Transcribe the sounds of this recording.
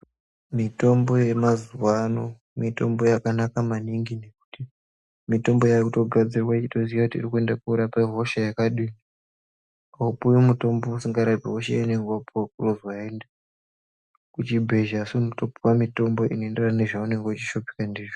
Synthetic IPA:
mito̞mbo̞je̞mazuwano̞ | mito̞̰mbo̞jakanakamaniŋɡine̞ku̥ti | mito̞mbo̞jakuto̞ɡʱad͡zirwaiito̞ziʋakutḭːrikue̞ndakuːɾapaɦo̞ʃajakaɗini | aupuwimuto̞mbousiŋɡaɾapiɦoʃajaneŋɡoapuwak̚uruzwaɦende | kut͡ʃibʱe̞ʒasunoto̞puwamito̞mbo̞ʔinoenderaneʐaune̞ŋɡeut͡ʃiʃo̞pi̥kandiːʐo

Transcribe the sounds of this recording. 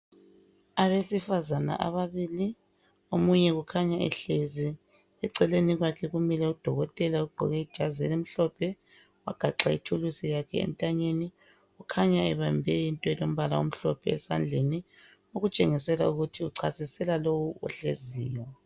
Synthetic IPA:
aβesifazana̰ʔa̰βaβiːli | omuɲɛɣukʰaɲaɛ̰ɬezi | ɛǀɛleniɣwakʰɛɣumilɛud̥ʱɔɣɔtʼɛlauɡ͡ǃʱɔɣɛid̥ʒ̥ʱazɛlem̩ɬɔpʰɛ | waɡ̥ʱaǁaitʰulusijakʰɛɛ̰ntʼaɲeni | ukʰaɲaɛβambʱɛjintʼɔɛlom̩βalaom̩ɬɔpʰɛːsand͡ɮʱeni | oɣut͡ʃʼeŋisɛlauɣutʰiuǀʰasisɛlalowuɔ̰ɬeziːjɔ

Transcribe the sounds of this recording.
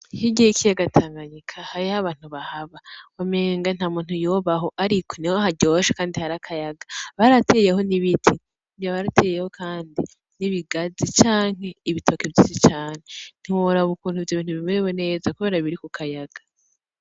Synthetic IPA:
hiɟiikijaɡatʰaːŋɡaɲikʰahaɾihaβaːn̥huβahaβawame̞ːŋɡan̥haːmuːnhujoβaɦo̞ʔaɾikʰonihoɦaɟo̞ʃḁkaːndihaɾakʰajaɡaβaɾatʰe̞jeho̞niβitʰi | βjaβaɾatʰeːjeho̞kʰaːndi | niβiɡazit͡ʃaːŋ̥he̞iβitʰo̞kibjisit͡ʃaːnen̥iwoɾauβukuːn̥huvjoβiːnhuβimuɾewene̞ːzakuβe̞ːɾaβiɾikukʰajaɡ̥ḁ

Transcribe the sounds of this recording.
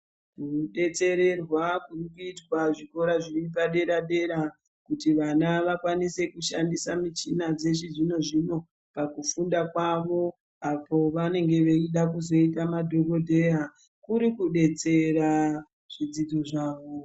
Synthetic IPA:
kuɗe̞t͡se̞ɾe̞rwakurikuitwaʐiko̞ɾaʐirip̬aɗe̞ɾaɗe̞ɾa | kutiʋanaʋakwanise̞kuʃandisamit͡ʃinad͡ze̞ʃiʐino̞ʐino̞ | pakufundakwaʋo̞ | apo̞ʋane̞ŋɡe̞ʋe̞iɗakuzo̞itamadʱo̞ɡo̞dʱe̞a | kuɾikuɗe̞t͡se̞ɾa | ʐ̥id͡zid͡zo̞ʐaːʋo̞

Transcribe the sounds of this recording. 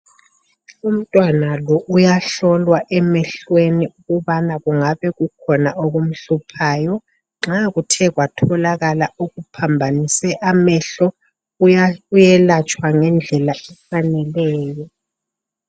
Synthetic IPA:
um̩tʼwanalɔʔujaɬɔlwaʔɛmɛɬweniuɣuβanaɣuŋaβɛɣukʰɔnaoɣum̩ɬupʰaːjɔ | ŋ͡ǁaɣutʰɛɣwatʰɔlaɣalauɣupʰambʱanisɛʔamɛɬɔ | ujɛlat͡ʃʼwaŋɛnd͡ɮʱɛlaɛfanɛlɛːjɔ

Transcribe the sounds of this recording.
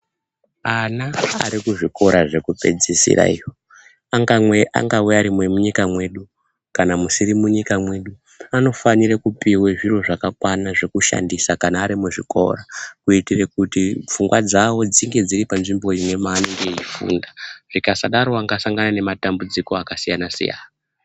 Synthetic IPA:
anaa̰ɾikuʐiko̞ɾaʐe̞kupe̞̰d͡zisḭra̰ḭwo | aŋɡamweʔa̰ŋɡaweaɾimwe̞muɲikamwe̞ːɗu | kanamusirimuɲikamwe̞ɗu | ano̞faniɾekupiweʐiro̞ʐakakwanaʐe̞kuʃa̰ndisakanaːɾimuʐiko̞̰rakuitire̞kutip͡fuŋɡwad͡zawo̞d͡ziŋɡe̞d͡ziɾipanʐimbo̞imwe̞maːneŋɡe̞ifṵndaʐ̥ikasaɗaɾoaŋɡasaŋɡanane̞matambud͡ziko̞akasijanasḭja̰ːna

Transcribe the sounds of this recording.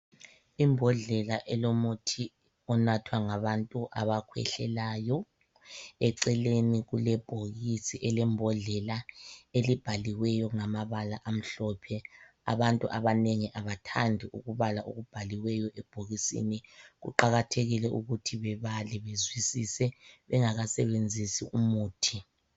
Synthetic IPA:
imbʱɔɮɛlaʔɛlomutʰi | ɔnatʰwaŋaβantʼuʔa̰βakʰwɛ̰ɬɛlaːjɔ | ɛǀɛleniɣulɛb̥ʱoɣisiʔɛlɛmbʱɔɮɛlaelib̥ʱaliwɛjɔŋamaβalaʔam̩ɬɔpʰɛ | a̰βantʼuʔaβaneŋiʔaβatʰandʱiʔṵɣuβalaʔoɣub̥ʱaliwɛjɔʔɛb̥ʱoɣisḭniɣṵǃaɣatʰeɣilɛʔuɣutʰiβɛβalɛβezwisisɛβɛŋaɣasɛβend͡zʱisḭʔumuːtʰi

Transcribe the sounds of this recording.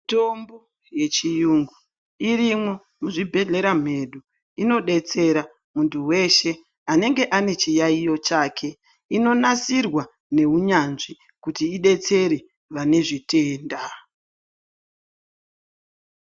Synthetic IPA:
tombo | je̞t͡ʃijuŋɡu | irimwo̞ | muʐibʱe̞ɮe̞ɾam̤e̞ɗu | ino̞ɗe̞t͡se̞ɾa | muntuwe̞ʃe̞ | ane̞ŋɡe̞ʔane̞t͡ʃijaijo̞t͡ʃaːkʰe̞ | ino̞nasirwa | ne̞uɲanʐi | kutiːɗe̞t͡se̞ɾe | ʋane̞ʐite̞ːnda

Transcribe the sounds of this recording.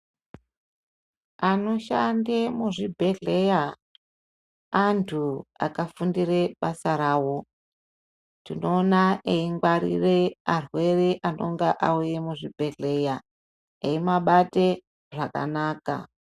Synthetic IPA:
ano̞ʃandemuʐibʱe̞ɮe̞ja | ntʰua̰kafundireɓasaɾaːwo̞ | tino̞ːnaeiŋɡwaɾḭrearwe̞reʔano̞̰ŋɡaʔaujemuʐibʱe̞ɮe̞ja | eimaɓate̞ | ʐaka̰naːka̰

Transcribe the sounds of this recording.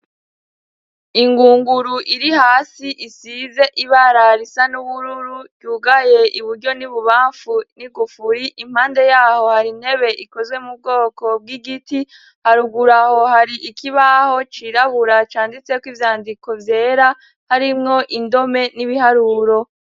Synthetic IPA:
iŋɡuːŋɡuɾuʔiɾihaːsiʔisize̞ʔiβaɾaɾisanuβuɾuɾuɟuːɡaje̞ʔiβuɾɟo̞niβuβaːɱfuniɡufuɾiʔim̥haːnde̞jaːho̞haɾinhe̞βe̞ʔiko̞zwe̞mub̚ɡo̞ːko̞b̚ɡiɡiti | haɾuɡuɾaho̞haɾiʔikʰiβaho̞t͡ʃiɾaβuɾat͡ʃaːndit͡se̞kwivjaːndiko̞vje̞ːɾa | haɾimŋo̞ʔindo̞me̞niβihaɾuːɾo̞

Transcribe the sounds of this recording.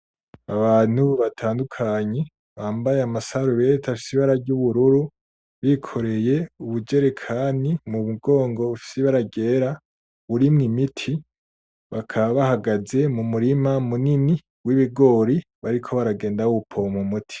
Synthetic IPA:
aβaːn̥huβatʰaːndukʰaɲe̞ | βaːmbajeamasaɾuβetʰafi̥siβaɾaɾɟuβuɾuɾu | βikʰoɾe̞je̞uβud͡ʒe̞ɾekʰaːnimuβuɡo̞ːŋɡo̞βafi̥seβaɾaɟe̞ːɾa | βuɾimŋimitʰi | βakʰaβahaɡaze̞mumuɾimamunini | wiβiɡo̞ːɾi | βaɾikʰo̞βaɾaɡe̞ːndawupʰomumutʰi̥

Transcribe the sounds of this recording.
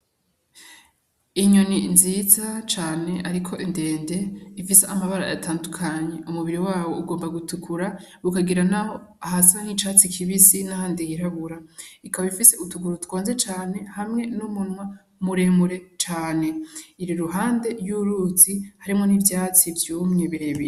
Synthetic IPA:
iɲoninzizat͡ʃaːne̞ʔaɾikʰo̞ʔinde̞ːnde̞ifiseamaβaɾa̰ja̰taːndukʰaɲe̞ʔumuβiɾiwaːwo̞uɡo̞ːmbaɡutukʰuɾa | ɾukaɡiɾanaho̞ | aɦasaŋ̥hit͡ʃaːt͡sikʰiβisinahaːndijiɾaβuɾaikaβaifise̞utuɡuɾutwo̞ːnze̞t͡ʃaːne̞hamŋe̞numunwa | muɾe̞muɾe̞t͡ʃaːne̞iɾiɾuɦaːnde̞ɾjuɾuzihaɾimŋo̞nivjaːt͡sivjuːmɲe̞βiɾe̞βiɾ

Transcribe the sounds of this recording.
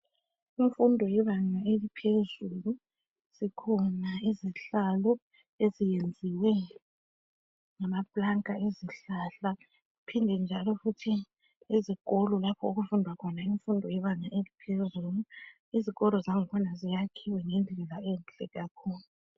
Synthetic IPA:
iɱfundʱɔjɛβaŋaelipʰezulu | z̥ikʰɔnaiziɬalɔ | ezijend͡zʱiwɛ | ŋamablaŋkʼaeziɬaɬa | upʰindʱɛnd͡ʒʱalɔfutʰi | izikɔlɔlapʰɔuɣufundʱwakʰɔnaiɱfundʱɔjɛβaɲaʔelipʰezulu | iziɣɔlɔzaŋikʰɔnazijakʰiwɛŋɛnd͡ɮʱɛlaɛnt͡ɬʼɛɣakʰuːlu

